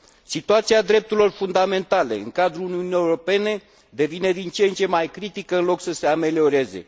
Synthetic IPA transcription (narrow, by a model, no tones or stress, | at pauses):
sit̪uat̪siad̪ɾe̞p̚t̪uɾilo̞rfund̪ame̞nt̪ale̞̰ɨ̰ŋkad̪ɾuuniunie̞wɾo̞pe̞ne̞ | d̪e̞vine̞d̪int͡ʃent͡ʃe̞majkɾit̪ikəɨnlo̞ksəse̞ame̞lio̞ɾe̞ze̞̰